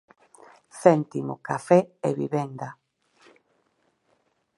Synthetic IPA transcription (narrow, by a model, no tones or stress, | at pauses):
θɛnt̪imo̰kafɛeβḭβɛnd̪a